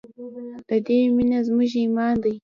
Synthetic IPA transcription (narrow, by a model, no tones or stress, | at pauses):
d̥adeːminazmuʒimaːnd̪aj